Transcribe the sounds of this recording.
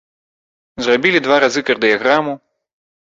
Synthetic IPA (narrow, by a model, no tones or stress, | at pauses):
zrɔbʲilʲid̪ʋvaɾazɨkɛrd̪ɨjaɣɾamu